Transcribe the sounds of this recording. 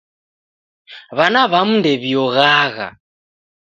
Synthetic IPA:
βanaβamundeβijɔɣaːɣa̰

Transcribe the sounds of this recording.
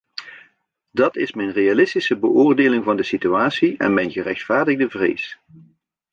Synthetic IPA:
dɑtɪsmɛjnrejalɪstisəbəʔʊːrdeːlɪŋvɑndəsityaːtsiɛ̰nmɛjnɣərɛxtfaːɹdəɣdəvrḛːs

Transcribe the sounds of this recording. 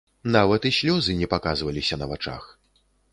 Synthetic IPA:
navɐt̪isʲlʲɔzɨnʲɛpakazvɐlʲisʲɐnɐvat͡ʂa̰x

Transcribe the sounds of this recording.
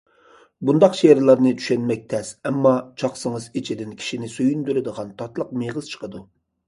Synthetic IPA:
bund̪ɑqʃeɾlˠɑɾnɨt͡ʃ̪ʰy̥ʃɛnmɛk̚ʲt̪ʰɛsɛmːɑt͡ʃʰɑχsɨŋəzit͡ʃʰid̪ɪnkʲʰi̥ʃinɪsøjynd̪yɾɪd̪əʁɑnt̪ʰɑt̪lˠəq̚meʁəz̥t͡ʃʰə̥qəd̪u

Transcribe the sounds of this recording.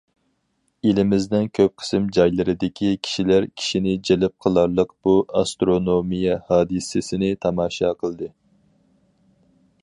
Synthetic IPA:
elɪmɪzd̪ɪnkʲʰøp̚qʰə̥sɨmd͡ʒɑjlˠɨɾɨd̪ɪkʲʰikʲʰi̥ʃilæɾkʲʰi̥ʃinɪd͡ʒelɪp̚qʰəlˠɑɾlˠəqb̥uɑst̪ɾonomijɛhɑːd̪ɨsɪsɪnɪt̪ʰɑmɑːʃɑqʰəlˠɨd̪ɨ

